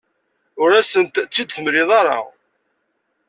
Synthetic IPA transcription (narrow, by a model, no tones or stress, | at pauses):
ʊɾæsənt̪t͡sːid̪θəmɾɪðˤɑɾˤɑ̰ʁ